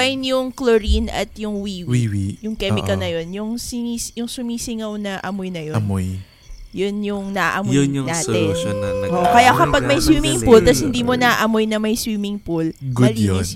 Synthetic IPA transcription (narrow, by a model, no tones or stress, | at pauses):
ajnjʊŋkloɾinɐ̰t̪jʊŋwiːwwiwijʊŋkɛːmɪkɐnɐjo̞njʊŋsɪnisjʊŋsʊmiːsɪŋɐwnɐʔɐmojnɐjoɐmoj | jonjʊŋnɐʔaʔɐmonaːt̪ɛnʔoʔkɐjakɐpɐɡ̚mɐjswiːmɪŋpult̪ɐshɪnd̪iːmonɐʔɐmojnɐmɐjswiːmɪŋpul | ɡɐlij